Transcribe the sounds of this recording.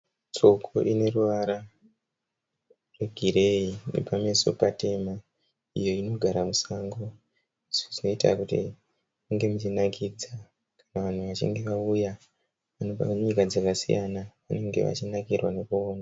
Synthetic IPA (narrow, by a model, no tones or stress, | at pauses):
t͡ʃo̞kʰo̞ʔine̞ruʋaɾa | rweɡʱiɾe̞inḛpame̞so̞̰pate̞ma | ijo̞ino̞ɡʱaɾamusaŋɡo | isuʐino̞ita̰kutḭ | muŋɡe̞mut͡ʃinakʰid͡za | kanaʋan̤uʋat͡ʃḭŋɡe̞ʋauja | ʋano̞ɓa̰ɲikad͡zakasḭjanaʋane̞ŋɡe̞̰ʋa̰t͡ʃinakirwane̞kuːna